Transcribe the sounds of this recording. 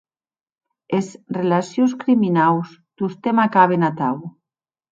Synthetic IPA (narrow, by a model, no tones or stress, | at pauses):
esrelasjoskɾiminawz | d̪̥ust̪emakaβ̞enat̪aw